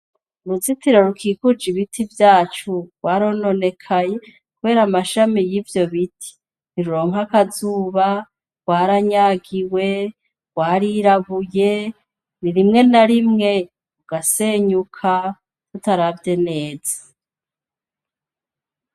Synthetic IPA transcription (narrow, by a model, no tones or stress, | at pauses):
uɾuzitiɾoɾukʰiːkud͡ʒiβitʰivjaːt͡ʃuwaɾoːno̞ne̞kʰaje̞ | kuβe̞ːɾamaʃamijiːvjo̞βitʰi̥ | niɾuɾo̞ːŋ̥akazuːβa | waːɾaɲaːɡiwe̞ | waɾiɾaβuje̞ | niɾimŋe̞naɾimŋe̞ | ɾuɡaseːɲukʰa | tutaɾavje̞ne̞ːz̥a